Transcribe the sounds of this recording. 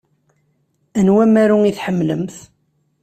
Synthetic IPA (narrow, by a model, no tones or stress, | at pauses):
ænwæmæɾuŋiθħəmːlə̰mθ